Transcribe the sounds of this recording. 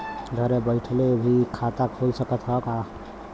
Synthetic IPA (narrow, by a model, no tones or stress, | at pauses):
ɡʱəɾebəɪʈʰlebʱikʰat̪akʰolsəkət̪ɦɔka